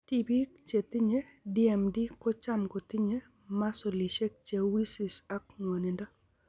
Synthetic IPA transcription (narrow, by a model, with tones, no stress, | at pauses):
ti˦bi˦kt͡ʃe˨t̪i˦ɲe˦di˦ɛ˨mdi˦kɔ˦t͡ʃa˦mko˨t̪i˦ɲe˦ | ma˦so˨li˨ʃe˦k̚t͡ʃe˨wi˦si˨sa˦kŋo˨nɪ˨ndɔ˦